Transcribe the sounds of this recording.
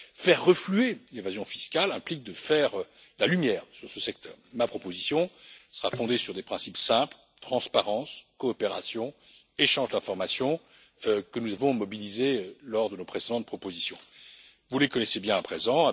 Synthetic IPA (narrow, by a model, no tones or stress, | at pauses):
fɛʁːəflyelevazjɔ̃fiskalɛ̃plik̚d̪əfɛʁ | lalymjɛːʁsyʁsəsɛk̚t̪ʰœ̰ːʁmapχɔpozisjɔ̃sə̥ʁafɔ̃d̪esyʁd̪epχɛ̃sipsɛ̃pl | t̪χɑ̃spaʁɑ̃skɔːpeʁa̰sjɔ̃ | eʃɑ̃ʒd̪ɛ̃fɔʁmasjɔ̃ | kənuzavɔ̃mɔbilizelɔʁd̪ənopχesed̪ɑ̃t̪̚pχɔpozisjɔ̰̃ | vulekɔnɛsebjɛ̃apχezɑ̃